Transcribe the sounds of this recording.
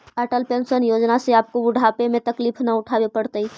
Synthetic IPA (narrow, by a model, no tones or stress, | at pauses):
kaʈəlpensənjod͡ʒnaseap̚kouɖʱapemet̪əklipʰnauʈʰabepəɽt̪əi